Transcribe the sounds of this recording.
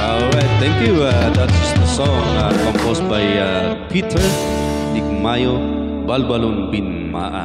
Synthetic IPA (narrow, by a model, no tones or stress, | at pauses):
ɔlɹajt̪̚t̪ɛ̃ŋkjuad̪at̪̚d͡ʒʌsd̪əsɔ̃ŋakɔ̃mpostbaja | pʰit̪ʰəɹ | nikmajo | balubalunbin | ma̰ʔə̰